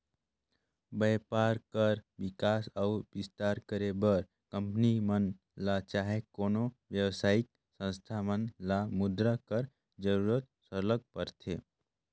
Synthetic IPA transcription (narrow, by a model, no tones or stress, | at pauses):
bəjpaːɾkəɾʋɪkaːsaʊbɪst̪aːɾkəɾebəɾ | kə̃mpnimən | lat͡ʃaːɦekoːnoʋjəwsaːɪk̚ | sə̃nst̪ʰamənlamʊd̪ɾakəɾ | d͡ʒəɾuːɾət̪̚səɾləɡ̚pəɾt̪ʰeː